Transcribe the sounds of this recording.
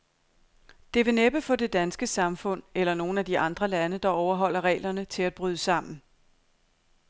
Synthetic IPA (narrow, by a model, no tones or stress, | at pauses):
d̥e̝ʋe̝neb̥əfɒ̽d̥e̝d̥ænsɡ̥əsɑ̈mfɔ̽n̰elɐno̝ːn̩æd̥iʔɑ̈nd̥ʁɐlænəd̥ɑ̈ɒʊɐɦɒ̽l̰ɐʁɛ̰ːlɐnət͡sʰe̝læd̥̚b̥ʁyðˠəsɑ̈m̰n̩